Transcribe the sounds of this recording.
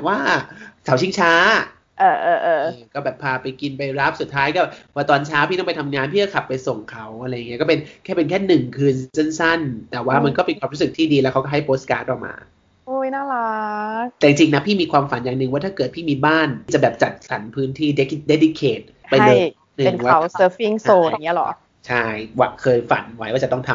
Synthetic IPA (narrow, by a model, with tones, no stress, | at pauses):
waː˥˩kʰa˩˦wt͡ɕʰi˥˩ŋt͡ɕʰaː˦˥ | ʔɤː˧˩ʔɤː˧ʔɤː˧kɔː˥˩bɛː˨˩pʰːaː˧pa˧jki˧npa˧jɾa˦˥p̚su˨˩t̪ʰːaː˦˥jkɔː˥˩waː˧˩t̪ɔː˧nt͡ɕʰaː˦˥pʰi˥˩nɔ˥˩pa˧jt̪ʰa˧mŋaː˧npʰiː˥˩a˥˩kʰa˨˩pːa˧jso˨˩ŋkʰa˦˥wʔa˧ɾa˧jŋi˦˥˦kɔ˥˩pe˧nkʰɛː˥˩pe˧nkʰɛː˥˩nɯ˨˩ŋkʰɯː˧nse˥˩nsa˥˩nt̪ɛː˨˩waː˥˩ma˧nkɔː˥˩pe˧nkʰwaː˧ɾu˦˥sɯ˨˩k̚t̪ʰiː˥˩diː˧lɛː˦˥wkʰa˦wkɔ˥˩ɦa˥˩jpʰo˦˥ska̰ː˦˥t̪ʔɔː˨˩ma̰ː˧ | o˧˥˩jnaː˥˩la˦˧˥t̪ɛː˨˩t͡ɕi˨˧ŋt͡ɕi˧ŋna˦˥pʰiː˥˩miː˧kʰwaː˧mfa˨˩˦njaː˨˩ŋnɯ˨˩ŋwaː˥˩t̪ʰaː˥˩kɤː˨˩t̪̚pʰiː˥˩miː˧baː˥˩n˥t͡ɕa˨˩bɛː˨˩p̚t͡ɕa˨˩t̪̚sa˩˦npʰɯː˦˥nt̪ʰiː˥˩de˦˥ki˦˩de˦˥di˧˦˥kʰeː˨˩t̪̚ | pa˧ja˥lo˧˩j | nɯ˨˧˩ŋnkwaːa˧˩˦wsəː˦˥fi˥˩ŋsoː˧˩˨ŋi˦˥˧lɔ̰˩˦ʔ | t͡ɕʰa˥˩jwa̰˨˩kʰɤː˧jfa̰˨˩˦nwa˦˥jwaː˥˩t͡ɕa˨˩t̪ɔ˥˩ŋt̪ʰa˧m